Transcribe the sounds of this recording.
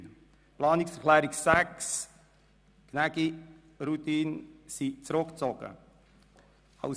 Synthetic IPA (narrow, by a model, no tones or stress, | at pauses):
n | plɑːniksfərkʰlɛːɾiksɛks | knɛki | rut̪iːnsit͡sɾokt͡sɔkə̰ | ha̰w